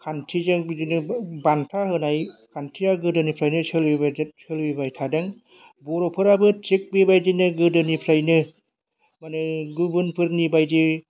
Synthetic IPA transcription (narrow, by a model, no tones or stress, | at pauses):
kʰantʰid͡ʒad͡ʒinɯbant̪ʰaɦɯnajkʰantʰijaɡɯdɯnipʰɾajnɯsʰelwibasʰelwibajtʰadeŋ | buɾopʰɯɾabɯt͡ʃik̚bibajd͡ʒinɯɡɯdɯnipʰɾajnɯ | manɯɡɯbɯnpʰɯɾknibajd͡ʒi